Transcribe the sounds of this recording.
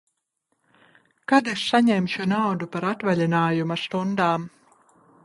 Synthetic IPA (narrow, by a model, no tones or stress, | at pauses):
kad̪essaɲɛmʲʃunawd̪upaɾat̪valʲinaːjumɐst̪und̪aːm